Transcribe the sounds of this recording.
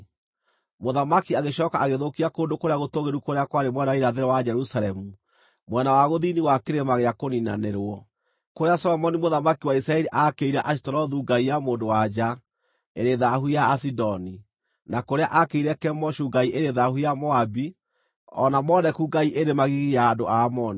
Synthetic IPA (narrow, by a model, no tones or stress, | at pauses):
moðamakiaɣeɕɔːkaʔaɣeðokiakoːndokoɾeaɣotoɣeɾukoɾeakwaɾemwɛnaiɾaðeɾɛwad͡ʒɛɾusalɛmu | mwɛnawaɣoðiniwakeɾemaɣeakonina̰neɾwɔ | koɾeasɔlɔmɔnimoðamakiwaisɾaɛɾiʔakeiɾɛʔaʃi̥tɔɾɔðuɡaijamoːndowad͡ʒa | ḛɾeðahujaːsidɔni | nakoɾeaʔakeiɾɛkɛmɔʃuɡaiʔeɾeðahujamɔabi | ɔnamɔðɛkuɡaiʔeɾemaɣiɣijaːndoʔamɔni